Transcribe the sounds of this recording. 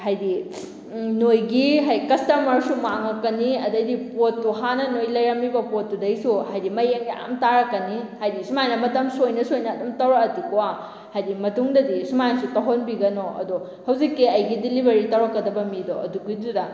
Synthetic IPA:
hajdi | nojɡiɦajkɐstɐmɐɾsumaŋɐkːɐniɐdɐdipotːuɦanɐnojlɐjɾɐmibɐpotːudɐjsuhajdimɐjeŋja̰mtaɾɐkːɐnihajdisumajnɐmɐtɐmsojnɐsojnɐːdumtɐwɾɐɐtukoa | hajdimɐtuŋdɐdisumajnsutɐɦonbiɡɐnoɐ̰du | hɐwzikːiɐjɡidilibʱeɾitɐwɾɐkːɐdɐbɐmidoʔɐ̰duɡidudɐ

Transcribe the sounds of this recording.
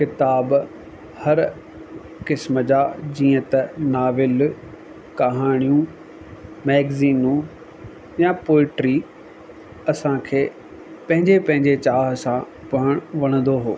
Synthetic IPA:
kɪt̪aːb | hɐɾ | kɪsməd͡ʑaːd͡ʑiːə̃t̪ɐnaːʋɪl | kɐɦaːɽ̃ijũ | mɛːɡziːnũ | jãpoːlʈɾi | ɐsãkʰeː | pɐ̃ɦɪ̃ɲd͡ʑepɐ̃ɦɪ̃ɲd͡ʑet͡ɕaːɦsã | pɐɦəɽ̃ʋɐɽ̃ə̃nd̪oɦoː

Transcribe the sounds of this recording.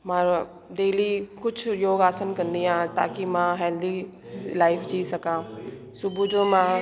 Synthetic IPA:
mãɾ | ɖeːlikʊt͡ʃʰjoːɡaːsənkɐ̃nd̪iãt̪a̰ːkimãɦɛːld̪i | laːɪfd͡ʑiːsɐkãː | sʊbʱud͡ʑoːmã

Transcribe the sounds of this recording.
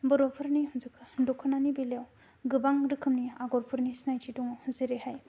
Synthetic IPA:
bɯɾɔpʰɯɾnihunzɯkʰɯdɔkʰɯnanibilaw | ɡɯbaŋɾɯkʰɯmniaɡɔɾpʰɯɾnisnajtʰidɔŋhuzɯɾeɦaj

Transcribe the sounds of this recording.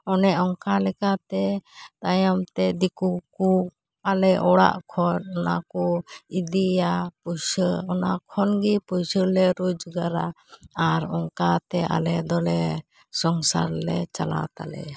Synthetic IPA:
ɔnɛʔɔŋkalɛkat̪ɛt̪ajamt̪ɛd̪ikuku | alɛʔɔɽa̰ʔkʰɔnɔnakɔid̪ijapusəɔna̰kʰɔnɡipujsəlɛɾud͡ʒɡaɾa | aɾɔŋkat̪ɛʔa̰lɛd̪ɔlɛ | sɔŋsa̰ɾlɛt͡ʃala̰t̪a̰lɛ̰

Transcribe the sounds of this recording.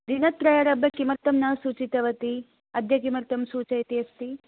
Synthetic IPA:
d̪inɐt̪ːɾɐjɐɾɐbjɐkimɐɾt̪ɐmnaːsuːt͡ʃit̪ɐʋɐt̪i | ɐd̪ʱjɐkimɐɾt̪ɐmsuːt͡ʃɐjt̪ijɐst̪i

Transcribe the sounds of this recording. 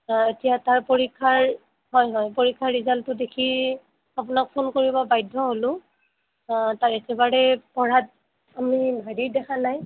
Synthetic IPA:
etijataɹpoɹikʰːaɹ | ɦɔjɦɔjpoɹikʰːaɹɹizaltʊdekʰi | apʊnak̚pʰonkoɹibɔbajdʱːɔɦolʊ̃ | taɹɛtɛbaɹɛpɔɹat̚ | amibʱadidɛkʰanaj

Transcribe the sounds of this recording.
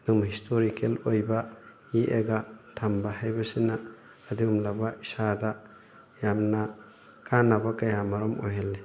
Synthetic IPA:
numɦistʰoɾikʰelojba | jiʔeɡatʰambaɦajbasinaː | diumlabaisada | jamna | kʰanabakajamaɾɔmojɦelːe

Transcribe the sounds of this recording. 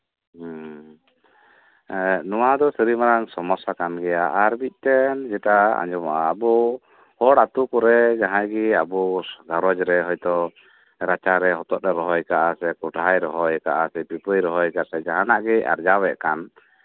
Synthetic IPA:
nɔwad̪ɔsiɾimaɾaŋsɔmɔsakanɡɛjaʔaɾbic̚ˀt̪ɛnd͡ʒɛtaa̰ɲd͡ʒɔmaʔaːbɔ | hɔɽat̪ukɔɾɛd͡ʒaɦãjɡiabɔɡaɾɔd͡ʒɾɛɦɔjt̪ɔ | ɾat͡ʃaɾɛɦɔt̪ɔʔ̚ɾɛɾɔɦɔjkaʔasɛkɔʈajɾɔɦɔjkaʔasɛbipəjɾɔɦɔjkasɛd͡ʒaɦãnaʔɡɛa̰ɾd͡ʒawɛʔkan

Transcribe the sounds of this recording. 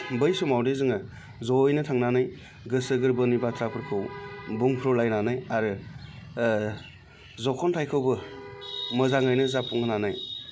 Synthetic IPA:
bɯjsumawdezɯŋɯ | zɔjnɯtʰaŋnanɯj | ɡɯsɯɡɯɾbɯnibatʰɾapʰɯɾkʰɯwbuŋpʰɾɔwlajnanajaɾɯ | zɔkʰɔntʰajkʰɯwbɯ | mɯzaŋajnɯzapuŋɡɯnanaj

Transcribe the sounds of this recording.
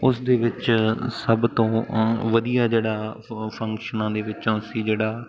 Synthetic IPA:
ʊsd̪eːʋɪt͡ʃsəbt̪õːʋəd̪ijaːd͡ʒeːɽaːpʰə̃ŋkʃənãːd̪eːʋɪt͡ʃõːsiːd͡ʒeːɽaː

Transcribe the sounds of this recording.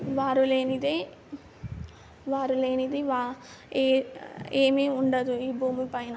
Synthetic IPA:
ʋaːɾuleːnid̪e | ʋaːɾuleːnid̪eʋa | eːmeːʊɳɖɐðuibuːmipɐjnɐ

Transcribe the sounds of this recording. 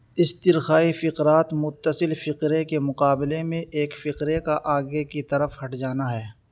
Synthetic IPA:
ɪst̪ɪɾxaːifɪqɾaːt̪mʊt̪ːəsɪlfɪqɾekemʊqaːbɪlemẽʔeːkfɪqɾekaʔaːɡekit̪ɐɾəfhɐʈd͡ʒaːnaɦɛː

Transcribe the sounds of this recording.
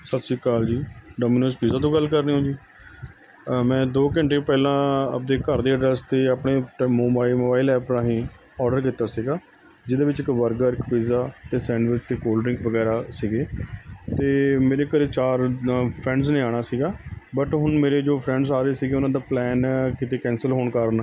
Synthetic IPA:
sət̪siːkaːld͡ʒiːɖoːmiːnoːspiːzaːt̪̬õːɡəlːkəɾniːɦõːd͡ʒiː | mɛ̃ːd̪oːkə̃ɳʈeːpɛːlãːə̰p̚d̪eːkəɾd̪eːəɖɾɛːst̪eːaːpɳeːmoːbaːilmoːbaːɪlɛːpɾãːɦĩː | ɔːɖəɾk̬ɪt̪ːaːsiːɡaː | d͡ʒɪd̪eːʋɪt͡ʃɪkʋəɾɡəɾɪkpiːzaːt̪eːsɛ̃ːɳɖʋɪɾt͡ʃt̪eːkoːlɾɪ̃ŋkʋəɡɛːɾaːsiːɡeːt̪eːmeːɾeːkəɾeːt͡ʃaːɾpʰɾɛ̃ːɳɖsnẽːaːɽ̃aːsiːɡaːbəʈɦʊɳmeːɾeːd͡ʒoːpʰɾɛ̃ːɳɖsaːɾeeːsiːɡeːʊnãːd̪aːplɛːnkɪt̪eːkɛ̃ːnsəlɦoːɳkəɾn

